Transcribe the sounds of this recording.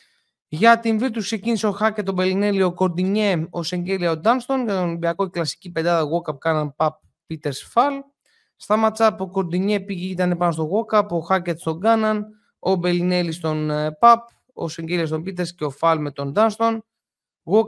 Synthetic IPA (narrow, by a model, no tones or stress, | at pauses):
ʝɐt̪iɱviɾt̪uskse̞cinise̞o̞xɐcet̪ːo̞be̞line̞lio̞ko̞ɾd̪iɲe̞o̞se̞ɲɟe̞liɐod̪ɐnst̪o̞nʝɐt̪o̞nibiɐko̞klɐsi̥cipe̞d̪ɐðɐɣo̞kɐp̚kɐnɐnpɐp̚ːit̪eɾsfɐl | st̪ɐmɐt͡sɐpo̞ko̞ɾd̪iɲe̞piʝeit̪ɐne̞pɐnos̬t̪o̞ɣo̞kɐpo̞xɐcet̪st̪o̞ŋɡɐnɐn | o̞be̞line̞list̪o̞npɐp | o̰se̞ɲɟe̞liɐst̪ombit̪̬e̞ɾsceo̞fɐlme̞t̪o̞nd̪ɐnst̪o̞n | ɣo